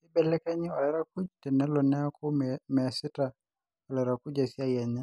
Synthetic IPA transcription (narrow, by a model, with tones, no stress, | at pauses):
si˦bɛ˨lɛ˦ka˦ɲi˦ɔ˨lɛ˦ɾa˦ku˦d͡ʒtɛ˨nɛ˦lɔ˨nɛ˦a˦ku˦mɛ˨a˨si˦ta˨ | ɔ˨lɛ˨ɾa˨ku˦d͡ʒasi˦a˦ja˨ɲa˦